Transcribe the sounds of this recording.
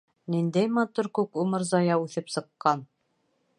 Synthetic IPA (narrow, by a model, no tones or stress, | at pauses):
nind̪æjmɑt̪uɾkʉkumɤɾzɑjɑʉθɘpsɤ̆qːɑn